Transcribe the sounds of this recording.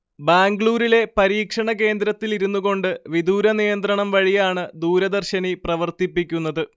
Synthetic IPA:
baːŋɡɭuːɾile̞pɐɾiːkʂɐɳɐke̞ːnd̪ɾɐt̪ːiliɾunːuɣo̞ɳɖɨʋid̪uːɾɐnijɐnt̪ɾɐɳɐmʋɐɻijaːɳɨd̪uːɾɐd̪ɐrɕɐniprɐʋɐrt̪ipːikʲːun̪ːɐðɨ

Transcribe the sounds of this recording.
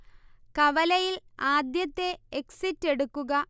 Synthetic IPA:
kɐʋɐlɐjilaːd̪jɐt̪ːe̞eksitːe̞ɽukːuɣɐ

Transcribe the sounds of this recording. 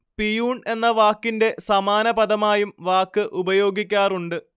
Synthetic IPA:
pijuːɳe̞nːɐʋaːkːinde̞sɐmaːnɐbɐd̪ɐmaːjumʋaːkːɨʔubɐjo̞ːɡikʲːaːruɳɖɨ

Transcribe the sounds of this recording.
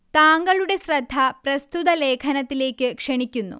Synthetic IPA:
t̪aːŋɡɐɭuɽe̞srɐd̪ʱːɐpɾɐst̪ut̪ɐle̞ːkʰɐnɐt̪ːile̞ːkːɨkʂɐɳikʲːunːṵ

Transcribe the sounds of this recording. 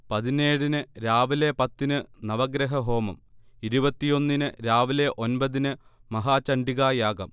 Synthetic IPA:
pɐðineːɽinɨɾaːʋile̞pɐt̪ːinɨnɐʋɐɡɾɐɦɐɦo̞ːmɐ̰miɾubɐt̪ːijo̞nːinɨɾaːʋile̞ʔo̞nbɐðinɨmɐɦaːt͡ɕɐɳɖiɣaːjaːɡɐm

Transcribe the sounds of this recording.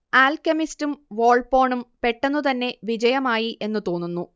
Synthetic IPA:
aːlkɐmistumʋo̞ːɭpo̞ːɳumpe̞ʈːenːut̪ɐnːe̞ʋid͡ʑɐjɐmaːjiʔe̞nːut̪o̞ːnːunːu

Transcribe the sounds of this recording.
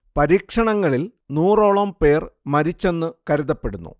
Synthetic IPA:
pɐɾiːkʂɐɳɐŋːɐɭilnuːro̞ːɭɐmpe̞ːrmɐɾit͡ɕːe̞nːɨkɐɾuðɐpːe̞ɽunːṵ

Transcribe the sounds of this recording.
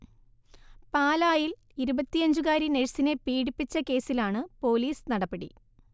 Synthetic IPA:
paːlaːjil | iɾubɐt̪ːijɐɲd͡ʑukaːɾineɻsinepiːɽipːit͡ɕːɐke̞ːsilaːɳɨpo̞ːliːsnɐɽɐpːeɽḭ

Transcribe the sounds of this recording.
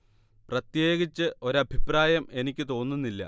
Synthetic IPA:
prɐt̪je̞ːɣit͡ɕːɨʔo̞ɾɐbʱipraːjɐme̞nikʲːɨt̪o̞ːnːunːilːɐ̰

